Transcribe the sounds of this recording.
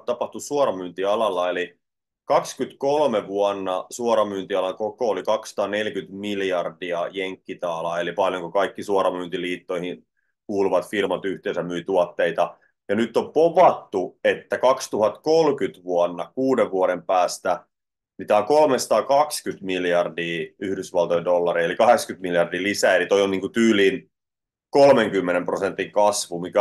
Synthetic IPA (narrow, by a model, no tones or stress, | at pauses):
t̪ɑpɑht̪usuorɑmyːnt̪iɑlɑlːɑeli | kɑkskyt̪kolmeʋuɑnːɑsuoɾɑmyːnt̪iɑlɑŋkokoːlikɑksɑ̥t̪ɑːnelkyt̪miljɑrdiɑjeŋkːit̪ɑːlɑelipɑljoŋkukɑikːisuoɾɑmynt̪iliːt̪ːoihin | kuːluʋɑt̪firmɑt̪yht̪eːnsæmyit̪uɑt̪ːeit̪ɑ | jɑnyt̪ːompoʋɑt̪ːuet̪ːækɑkst̪uhɑt̪kolkyt̪ʋuɑnːɑkuːdeʋʋuoɾempæːst̪æ | mit̪æoŋkolmesɑ̥t̪ɑːkɑkskyt̪miljɑrdiːyhdysʋɑlt̪ojendolːɑɾielikɑhekskyt̪miljɑrdiːlisæelit̪oioniːŋkut̪yːliːn | kolmeŋkymːenemprosent̪ːiŋkɑsʋumikæ